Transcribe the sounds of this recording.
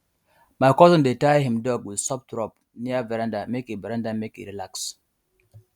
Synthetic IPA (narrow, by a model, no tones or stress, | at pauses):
majkɔzə̃ndetajhĩmdɔɡwidsɔp̚tɾɔp | niavɛɾãndamekivɛɾãndamekḭɾilaks